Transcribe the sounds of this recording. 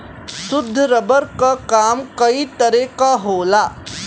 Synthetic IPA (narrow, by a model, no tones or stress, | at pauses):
sud̪ʱːəɾəbəɾkakamkəit̪əɾekaɦola